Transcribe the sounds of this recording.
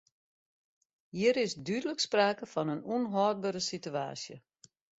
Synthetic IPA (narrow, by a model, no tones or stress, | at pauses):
hiəɾɪsdydələkspraːkəfɔnənunɦɔːd̚bəɾəsitya̰ːsjə̰